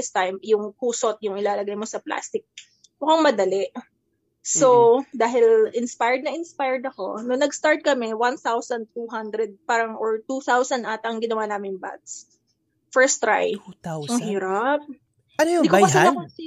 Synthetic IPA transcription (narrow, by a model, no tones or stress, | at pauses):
ɪst̪ajmjʊŋkuːsot̪̚jʊŋɪlaːlɐɡajmosɐpla̰ːst̪ɪk̚ | mʊkaŋmɐd̪ɐlɛʔ | sod̪aːɦɪlʔɪnspajd̪̚nɐʔɪnspajɹd̪ɐko̞̰nonɐɡst̪aɹt̪̚kɐmɛwanθawsɐnd̪̚t̪uɦand̪ɾɛd̪̚paːɾɐŋʔɔɹt̪uθawsɐnʔat̪ɐŋɡɪnɐwanaːmɪŋba̰t̪s | fɛɹst̪ɾa̰j | hiːɾap̚ | anojʊd̪ikokɐsɛnɐ